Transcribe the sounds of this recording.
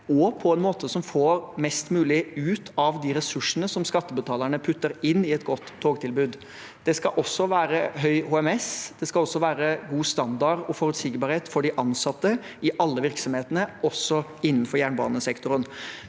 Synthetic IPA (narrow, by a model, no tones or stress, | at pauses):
ɔpʰɔɛnmoːt̪ʰəsɔmfoːɾmɛst̪mʉːlɪʉːt̪ʰɑʋd̪iɾɛsʉʂənəsɔmskɑt̪ːəbət̪ʰɑːləɳəpʰʉt̪ːəɾɪnːɪɛt̪ɡɔt̪ʰːoːɡ̚t̪ʰɪlbʉːd̪ | d̪̥ɛskɑʔɔsːɔʋæːɾəɦœʏhuːɛmɛsd̪̥ɛskɑlɔsːɔʋæːɾəɡuːst̪ɑnd̪ɑɾɔfɔɾʉt̪sɪɡbɑɾheːt̪fɔɖɪʔɑnsɑt̪ːə | ɪʔɑlːəʋɪɾksɔmheːt̪ənəɔsːɔɪnːənfɔɾjæːɳbɑ̰ːnəsɛkt̪ʊɾən